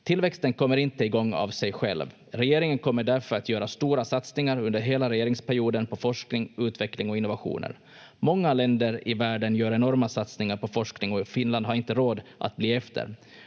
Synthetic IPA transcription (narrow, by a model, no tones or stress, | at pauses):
t̪ʰɪlvɛkst̪ənkʰɔmːəɾɪnt̪əɪɡɔŋːa̰vsɛjɧɛ̰lv | ɾɛjeːɾɪŋənkʰɔmːəɖæɾfœɾat̪jœːɾast̪uːɾasat̪snɪŋaɾɵnd̪əɾɦeːlaɾɛjeːɾɪŋspʰæɾjuːd̪ənpʰɔfɔʂknɪŋʉ̟ːt̪vɛklɪŋɔɪnːʊvaɧṵːnə̰ɾ | mɔŋːalɛnd̪əɾɪvæːɖənjœːɾɛnɔɾmasat̪snɪŋaɾpɔfɔʂknɪŋɔfɪnland̪ɦaɾɪnt̪əɾoːd̪ʔa̰t̪̚bliːɛft̪ʰə̰ɾ